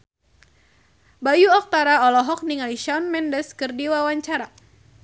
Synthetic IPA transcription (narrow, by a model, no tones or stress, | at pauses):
bajuɔk̚t̪aɾaɔlɔɦɔk̚niŋaliʃɔnmɛndəskɨrdiwawaɲt͡ʃaɾa